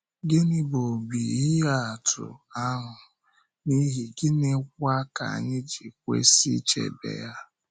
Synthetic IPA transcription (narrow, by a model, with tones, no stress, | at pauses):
ɡɪ˦nɪ˦bo˨bi˨i˦ɦa˦a˨tʊ̰˨a˦ɦʊ˨ | ni˦ɦi˨ɡɪ˦nɪ˦k̚ʷa˦ka̰˨a̰˨ɲɪ˦d͡ʒi˨kʷḛ˦si˦t͡ʃḛ˨bḛ˨ja˦